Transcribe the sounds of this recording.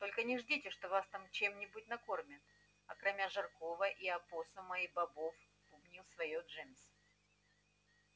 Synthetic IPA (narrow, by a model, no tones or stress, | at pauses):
t̪o̞lʲkənʲɪʐdʲitʲɪʂt̪o̞vast̪amt͡ɕe̞mnʲɪbut̚ʲnɐko̞rmʲɪt̪ | ɐkɾɐmʲaʐɨrko̞vəʔiɐpo̞sʊmɐibɐbo̞f | pʊbnʲilˠsvɐjoʐɛmʲs